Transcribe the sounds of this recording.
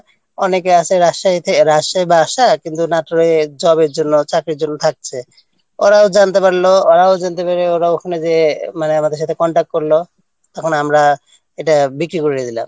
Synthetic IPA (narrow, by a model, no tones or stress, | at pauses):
ɔnekeaseɾaʃajt̪ʰeɾaʃajbːʃakint̪unaʈoɾed͡ʒɔbeɾd͡ʒonːot͡ɕakɾiɾd͡ʒonːot̪ʰak̚t͡ɕʰe | oɾaod͡ʒant̪epaɾlooɾaod͡ʒant̪epaɾeoɾaokʰɔned͡ʑemaneamad̪eɾʃ̬at̪ʰekɔɳʈak̚ʈ̚koɾlo | t̪ɔkʰonamɾa | eʈabikɾikoɾied̪ʱila̰m